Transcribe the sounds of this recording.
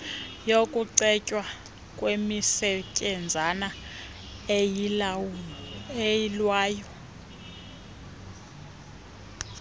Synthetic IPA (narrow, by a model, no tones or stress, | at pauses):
jokʼuǀɛcʼwa | kʼwemisɛcʼɛnd͡zʱana | ejilwaːjɔ